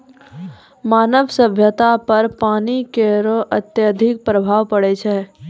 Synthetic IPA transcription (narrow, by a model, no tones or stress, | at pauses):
maːnəʋsəbʱjət̪apɐɾpaːnikeɾoʔət̪jəd̪ʱɪk̚pɾəbʱaːʋpəɽet͡ʃʰɛ